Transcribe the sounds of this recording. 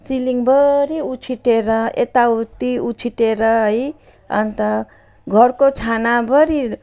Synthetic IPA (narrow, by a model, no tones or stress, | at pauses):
siliŋbʌɾiut͡sʰiʈeɾʌḛt̪aut̪iut͡sʰiʈeɾʌɦʌj | ʌ̰nt̪ʌ | ɡʱʌrkot͡sʰanabʌɾi